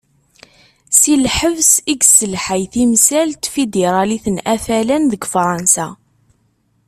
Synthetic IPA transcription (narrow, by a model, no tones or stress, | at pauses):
silħəvsiɡsəlħajθimsælt̪fid̪eɾˤɑliθənʔæfælænðəɡfɾˤɑnsa